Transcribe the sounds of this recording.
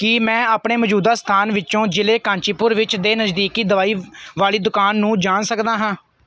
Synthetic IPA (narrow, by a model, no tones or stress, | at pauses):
kɪmɛ̃ːaːpɳeːməd͡ʒuːd̪aːst̪ʰaːnʋɪt͡ʃõːd͡ʒɪleːkãːɲt͡ʃiːpʊɾʋɪt͡ʃd̪eːnəzd̪iːkiːd̪əʋaːiːʋaːliːd̪ʊkaːnːũːd͡ʒaːnsəkd̪aːɦãː